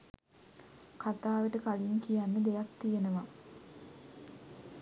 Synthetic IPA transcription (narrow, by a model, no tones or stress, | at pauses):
kat̪aːʋəʈəkaliŋkijanːəd̪ejakt̪ijenəʋa